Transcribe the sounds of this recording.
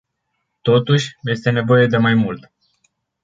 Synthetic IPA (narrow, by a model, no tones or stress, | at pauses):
t̪o̞t̪uʃʲje̞st̪e̞ne̞vo̞je̞d̪e̞majmult̪